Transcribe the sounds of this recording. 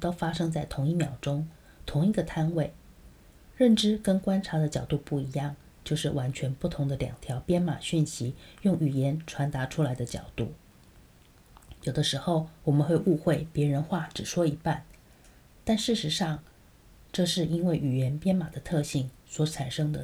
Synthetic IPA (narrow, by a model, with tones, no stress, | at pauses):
t̪o˥ʊfa˥ʂɤ˥ŋt͡sa˥˩ɪt̪ʰʊ˧˥ŋi˥˩mjɑ˨˩ʊʈ͡ʂʊ˥ŋ | t̪ʰʊ˧˥ŋi˧˥ɡə˧t̪ʰa˥nwe˥˩ɪ | ɻə˥˩nʈ͡ʂɻ̩˥kə˥nkwa˥nʈ͡ʂʰa˧˥d̪ə˧t͡ɕjɑ˨˩ʊt̪u˥˧pu˥˩i˧˥jɑ˥˩ŋ | t͡ɕjo˥˧ʊʂɻ̩˥˩wa˧˥nt͡ɕʰɥɛ˧˥npu˥˩t̪ʰʊ˧˥ŋd̪ə˧ljɑ̰˨˩ŋt̪ʰjɑ˧˥ʊpjɛ˥nma˨˩ɕy˥˩nɕi˧˥jʊ˥˩ŋy˨˩jɛ˧˥nʈ͡ʂʰwa˧˥nt̪a˧˥ʈ͡ʂʰu˥la˧˥ɪd̪ə˧t͡ɕjɑ̰˨˩ʊt̪ṵ˥˩ | jo˨˩ʊd̪ə˦ʂɻ̩˧˥xo˥˩ʊwɔ˨˩mə˦nxwe˥˧ɪʔu˥˧xwe˥˩ɪpjɛ˧˥ɻə˧˥nxwa˥˩ʈ͡ʂɻ̩˨˩ʂwɔ˥i˧˥pa˥˩n | t̪a˥˧nʂɻ̩˥˩ʂɻ̩˧˥ʂɑ˥˩ŋ | ʈ͡ʂɤ˥˧ʂɻ̩˥˩i˥nwe˥˩ɪy˨˩jɛ˧˥npjɛ˥nma˨˩d̪ə˦t̪ʰɤ˥˧ɕi˥˩ŋ | swɔ˧˥ʈ͡ʂʰa˨˩nʂɤ˥ŋd̪ə˨